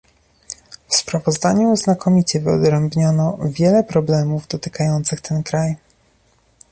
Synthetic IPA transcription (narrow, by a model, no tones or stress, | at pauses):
fspɾavɔzd̪aɲuznakɔmʲit͡ɕɛvɘɔ̰d̪ɾɛmbɲɔnɔvʲjɛlɛpɾɔblɛmuvd̪ɔt̪ɘ̥kajɔnt̪sɘxt̪ʰɛnkɾaj